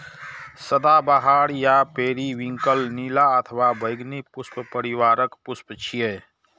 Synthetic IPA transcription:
səd̪abaɦaːɽjapeːɾiʋɪ̃ŋkəlniːlaət̪ʰwabəɪɡnipʊsppəɾɪwaːɾəkpʊspt͡ʃʰijeː

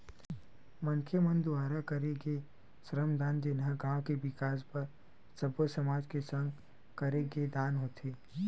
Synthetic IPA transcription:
mɐnkʰemə̃nd̪ʊwaːɾakəɾeɡe | sɾəmd̪aːnd͡ʒɪnɦəɡãːwkebɪkaːspɐɾ | səbosəmaːd͡ʒkesə̃ŋɡ | kɐɾeɡed̪aːnɦoːt̪ʰeː

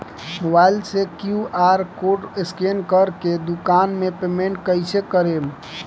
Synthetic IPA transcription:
mʊbaːɪlsekjuʔaːɾkoːɖɪskenkəɾked̪ʊkaːnmepeːmẽɳʈkəɪsekəɾeːm

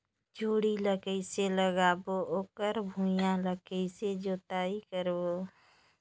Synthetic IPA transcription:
d͡ʒʱoːɽiləkəɪseləɡaːboʔoːkəɾbʱujãləkəɪsed͡ʒoːt̪aːikəɾbo

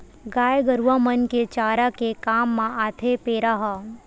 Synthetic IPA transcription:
ɡaːjɡəɾuʋamənket͡ʃaːɾakekaːmːãaːt̪ʰepeːɾaɦa

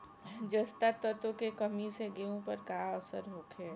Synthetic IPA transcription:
d͡ʒəst̪at̪ət̪okekəmiseɡeõpəɾkaəsəɾɦoːkʰe

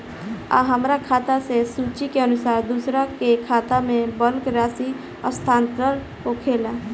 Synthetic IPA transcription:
a̰ɦəmɾakʰaːt̪asesuːt͡ʃikeənʊsaːɾd̪uːsɾakekʰaːt̪amẽbəlkɾaːsi | ɔ̰st̪ʰaːnt̪əɾ | kokʰeːla

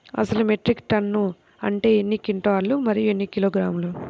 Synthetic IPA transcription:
ɐ̰sɐlume̞ʈɾikʈɐnːu | ɐ̰ɳʈe̞ːenːikiɳʈɐʋaːɾlumɐɾijuenːikiloːɡɾaːmulu

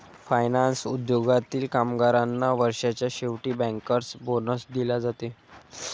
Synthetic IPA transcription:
fajnansud̪joɡat̪iːlkamɡaɾanːaʋəɾʂat͡ɕjaɕeʋʈiːbɛ̃ŋkəɾsbonəsd̪ilad͡zat̪e

